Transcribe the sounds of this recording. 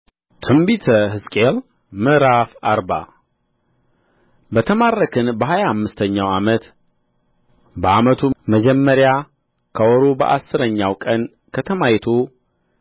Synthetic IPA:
t̪ʰɨmbit̪ʰəɦɨskʼel | mɨɾafaɾba̰ | bət̪ʰəmarːəkʰɨnbəɦajaamːɨst̪ʰəɲːawamət̪ | bəʔamət̪ʰuməd͡ʒɛmːəɾja | kʰəwɔɾobə̰ʔasːɨɾəɲːawkʼən | kʰət̪ʰəmajt̪ʰu

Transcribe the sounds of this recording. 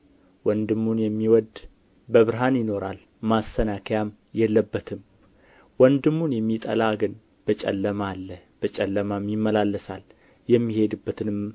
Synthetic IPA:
wɔnd̪ɨmːunjɛmːiwɔd̪ | bəβɨɾɦanjɪno̞ɾal | mast̪ʰənakʰjam | jɛlːəbːət̪ʰɨm | wɔnd̪ɨmːunjɛmːit̪ʼə̰laɡɨn | b̥ət͡ʃʼɛ̰lːəmalːəhb̥ət͡ʃʼɛlːəmamjɪmːəlalːəsal | jɛmːihe̞d̪ɨbːət̪ʰɨnɨm

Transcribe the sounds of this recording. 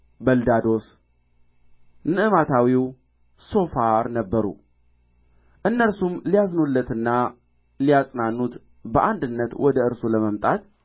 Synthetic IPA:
bəld̪ad̪o̞s | nɨʔɨmat̪ʰawiw | so̞faɾnəbːəɾṵ | ʔɨnːəɾsumlijaznulːət̪ɨnːa | lijasʼnanːut̪ | bəʔand̪ɨnːət̪wɔd̪əɨɾsuləməmt̪ʼat̪

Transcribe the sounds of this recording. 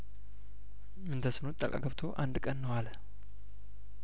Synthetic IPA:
ɨnd̪ʰəsɨnot̪ʼːə̰kʼa̰ɡəβt̪ʰo̞ʔand̪kʼənːəwal

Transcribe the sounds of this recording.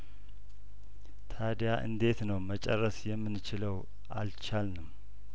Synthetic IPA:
t̪ʰad̪jaʔɨ̰nd̪e̞t̪nəwmət͡ʃʼɛrːəsjɛmːɨnɨt͡ʃɪləw | ʔa̰lt͡ʃalnɨm

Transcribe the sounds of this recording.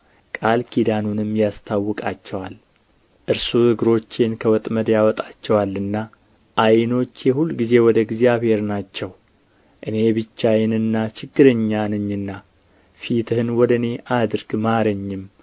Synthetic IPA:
kʼalkʰid̪anunɨmːjast̪ʰawːɔkʼat͡ʃːɛwal | ʔɨɾsuhɨɡɾo̞t͡ʃːenkʰəwɔt̪ʼməd̪jawɔt̪ʼat͡ʃːɛwalːɨnːa | ʔajno̞t͡ʃːjɛhulːɡize̞wɔd̪əɡzjaβhe̞ɾnat͡ʃːɛw | ʔɨne̞bɨt͡ʃːajɛnɨnːat͡ʃɪɡːɨɾəɲːanɨɲːɨnːa | fit̪ʰɨhɨnwɔd̪əɨne̞ʔad̪ɨɾɡmaɾəɲːɪm

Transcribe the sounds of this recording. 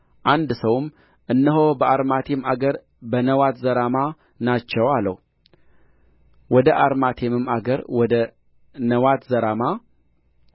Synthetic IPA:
ʔand̪səwm | ʔɨnːəɦobəaɾmat̪ʰemaɡəɾ | bənəwat̪zəɾama | nat͡ʃːɛwalə̰w | wɔd̪əʔaɾmat̪ʰemɨmaɡəɾwɔd̪ə | nəwat̪zəɾama

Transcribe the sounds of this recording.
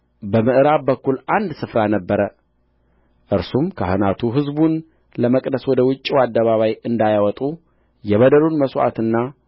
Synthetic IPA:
bəmɨʔɨɾaβbəkːulʔand̪sɨfɾanəbːəɾə | ʔɨɾsumkʰə̰hɨnat̪ʰuɦɨzbun | ləməkʼd̪əswɔd̪əwʊt͡ʃʼːiwad̪ːəβaβajɨnd̪ajawɔt̪ʼu | jɛβəd̪əlunməswʔa̰t̪ɨnːa

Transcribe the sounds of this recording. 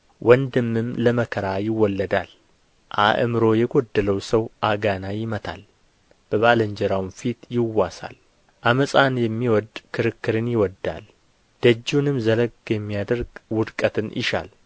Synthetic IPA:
wʔɔnd̪ɨmːɨmləməkʰəɾajɪwːɔlːəd̪al | ʔa̰ʔɨmɨɾo̞jɛɡod̪ːələwsəwʔaɡanajɪmət̪ʰa̰l | b̥əβaləɲd͡ʒɛɾawnfit̪jɪwːasa̰l | ʔaməsʼanjɛmːiwɔd̪kʰɨɾɨkːɨɾɨnjɪwɔd̪ːa̰l | d̪̥əd͡ʒːunɨmzələɡjɛmːijad̪əɾɡwʊd̪kʼət̪ʰɨnjɪ̰ʃa̰l

